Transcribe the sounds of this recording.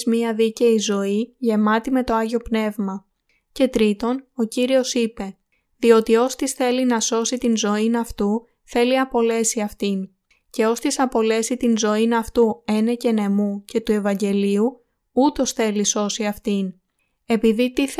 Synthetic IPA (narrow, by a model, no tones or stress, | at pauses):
zmiɐðice̞izo̞iʝe̞mɐt̪ime̞t̪oɐʝo̞pne̞vmɐ | ce̞t̪ɾit̪o̞no̞ciɾio̞sipe̞ | ðio̞t̪io̞st̪isθe̞linɐso̞sit̪inzo̞inɐft̪u | θe̞liɐpo̞le̞siɐft̪in | ce̞o̞st̪isɐpo̞le̞sit̪inzo̞inɐft̪ue̞ne̞ce̞ne̞muce̞t̪ue̞vɐɲɟe̞liu | ut̪o̞sθe̞liso̞siɐft̪in | e̞piðit̪i